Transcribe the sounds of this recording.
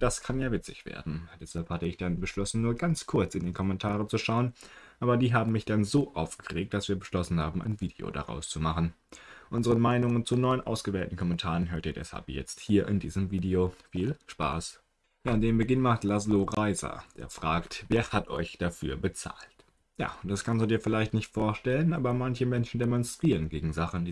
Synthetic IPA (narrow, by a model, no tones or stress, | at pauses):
d̥askʰanjaːvɪt͡sɪçv̥ḛːɐdn̩d̥ɛshalphatəɪçd̥anbəʃlɔsn̩nuːɐɡant͡skʰʊɐt͡sɪndeːnkʰɔmɛntʰaːʁ̞ət͡suʃaʊənʔaːbɐdiːɦaːbm̩mɪçd̥anzoːʔaʊfɡ̥əʁeːk̚t̚d̥asv̥iːɐbəʃlɔsn̩haːbm̩ʔa̰ɪnviːdḛo̰da̰ʁa̰ʊst͡sumaχn̩ | ʔʊnzəʁənmaɪnʊŋənt͡sunɔʏənʔa̰ʊsɡ̥əvɛːltn̩kʰɔmɛntʰaːʁənɦøːɐtʔiːɐdɛ̰sha̰lpjɛ̰t͡sthiːɐʔɪ̰ndiːzəmviːdeofiːlʃpa̰ːs | jaːndeːmbəɡɪnmaχtlazloʁaɪzɐ̰d̥ḛːɐfʁ̥aːktveːɐhatʔɔ̰ʏçd̥afy̰ːɐbət͡sa̰ːlt | ja̰ːd̥askʰansd̥uːdiːɐfɪlaɪçtnɪçtfoːɐʃtɛlənʔaːbɐmançəmɛnʃn̩demɔnstʁ̥iːʁənɡeːɡŋ̩zaχn̩diː